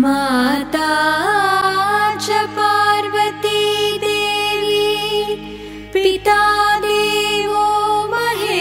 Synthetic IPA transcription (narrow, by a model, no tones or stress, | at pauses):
maːt̪a | t͡ʃɐpaːɾʋɐt̪id̪eːʋi | pɾit̪aːd̪eːʋomɐɦe